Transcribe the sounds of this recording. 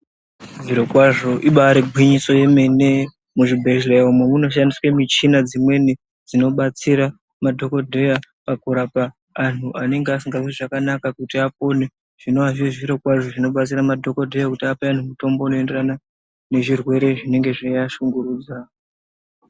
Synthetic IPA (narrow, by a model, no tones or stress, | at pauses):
ʐiɾo̞kwaʐo̞ʔiɓaɾeɡʱwiɲiso̞je̞me̞ne̞ | muʐibʱe̞ʒleumwemuno̞ʃ̬andiswemit͡ʃinad͡zimwe̞ne | d͡zino̞ɓat͡siɾa | madʱo̞ko̞dʱe̞ja | pakuɾapaː | n̤uʔane̞ŋɡeasiŋɡaiʐakanakakutiap̚o̞ne | ʐ̥ino̞ʋaʐiʐiɾo̞kwaʐo̞ʐino̞ɓat͡siɾamadʱo̞ko̞dʱe̞jakutiapean̤umuto̞mbo̞anoe̞nde̞rana | ne̞ʐirwe̞ɾe̞ʐine̞ŋɡe̞ʐiaʃuŋɡuɾuːd͡za